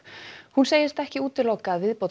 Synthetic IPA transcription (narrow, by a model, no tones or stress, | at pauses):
hunseːjɪst̪ɛhcɪuːt̪ɪlowkaːðvɪðpowt̪